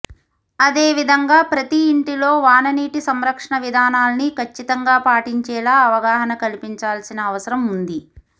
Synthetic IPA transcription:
ɐd̪eːʋid̪ʱɐŋɡaːpɾɐt̪iːɳʈilo̞ːʋaːnɐniːʈisɐmɾɐkʂɐɳɐʋid̪ʱaːnaːlɐnikʰɐt͡ʃːit̪ɐŋɡaːpaːʈiɲt͡ʃɛːlaːɐʋɐɡaːɦɐnɐkɐlipiɲt͡ʃaːlsinɐːʋɐsɐɾɐmund̪i

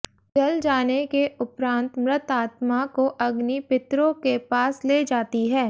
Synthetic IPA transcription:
d͡ʒɐld͡ʒaːnekeʊpɾãːnt̪mɾɪt̪aːt̪makoʔɐɡnipɪt̪ɾõkepaːsleːd͡ʒaːt̪iɦɛː

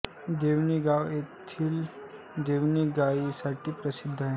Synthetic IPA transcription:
d̪eːʋniɡaːwet̪ʰil | d̪eːʋniɡaːisaʈipɾɐsɪd̪ʱːɦɛ̃

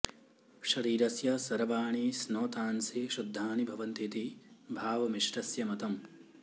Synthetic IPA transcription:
ʃɐɾiːɾɐsjɐsɐɾɐʋaːɳiːsnoːt̪aːnseʃud̪ʱːaːnibʱɐʋɐnt̪it̪ibʱaːʋɐmiʂɾɐsjɐmɐt̪ɐm

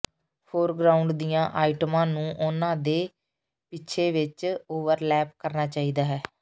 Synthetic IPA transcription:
pʰoːɾɡɾaːʊ̃ɳɖd̪ijãːʔaːiʈəmãːnũːʔʊnãːd̪eː | pɪt͡ʃʰeːʋɪt͡ʃoːʋəɾlɛːp̚kəɾnaːt͡ʃaːiːd̪aːɦɛː

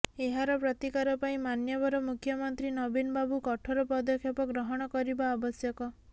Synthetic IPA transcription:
eɦaɾɔpɾɔt̪ikaɾɔpaĩmanjɔbɔɾɔmukʰjɔmɔnt̪ɾinɔbinɔbabukɔʈʰɔɾɔpɔd̪ɔkʰjɔpɔɡɾɔɦɔɽ̃ɔkɔɾibaːbɔsjɔkɔ

